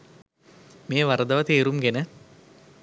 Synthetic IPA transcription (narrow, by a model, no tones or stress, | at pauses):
meːʋaɾəd̪əʋət̪eːɾumɡenə